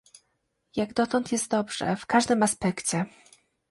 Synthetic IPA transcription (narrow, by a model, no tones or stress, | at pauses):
jaɡd̪ɔt̪ɔnt̪jɛst̪̚d̪ɔbʐ̥ɛ̰fkaʐd̪ɘmaspɛkt͡ɕɛ